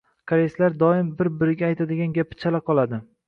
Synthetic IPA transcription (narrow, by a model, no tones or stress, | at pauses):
kʰaɾeslaɾd̪ɒɪmbɪɾbɪɾɪɡʲaːjt̪ʰad̪ɪɡʲanɡʲapʰɪ̥t͡ʃʰalaqʰɒlˠad̪ɪ